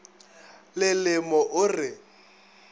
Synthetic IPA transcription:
lɪlɪmɔʔʊrɪ

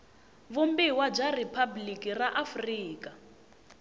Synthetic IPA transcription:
βumbiwab͡ʐaripʰablikʼiraʔafriːka

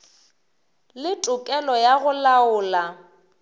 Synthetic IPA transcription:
lɪtʼʊkʼɛlɔjaɣʊlaʊːla

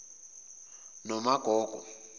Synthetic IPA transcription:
nɔmaɡ̥ʱɔːɡ̥ʱɔ

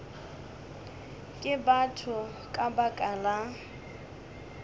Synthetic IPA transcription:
kʼɪbatʰʊ | kʼabakʼala

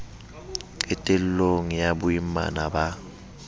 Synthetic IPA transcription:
ɛtʼel̩loŋijabʊima̰naba

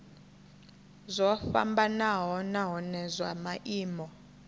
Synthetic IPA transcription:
zʷɔfa̰mbanaɦɔnaɦɔnɛzwamaʔiːmɔ

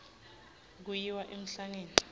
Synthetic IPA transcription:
k̬ujiwaʔem̩ɬaŋeːni

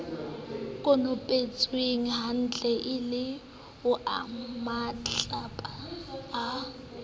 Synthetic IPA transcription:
kʼʊnʊpʼet͡sʼweŋ̩ɦan̩t͡ɬʼɛʔɪlɪ | ʊʔa̰mat͡ɬʼapʼaː

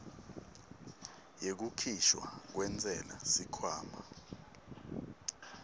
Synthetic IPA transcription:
jek̬ukʰiʃwa̰k̬wɛnt͡sʼɛla̰sikʰwaːmʱa̰

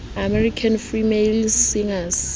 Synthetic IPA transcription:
amɛɹikʰanfimelsiŋas

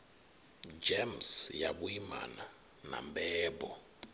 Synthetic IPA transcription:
d͡ʒɛmsjaɓuima̰na | nambɛːɓɔ

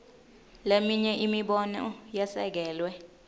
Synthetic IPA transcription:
lemiɲɛʔimiɓɔnɔ̰jɛsɛk̬ɛːlwɛ

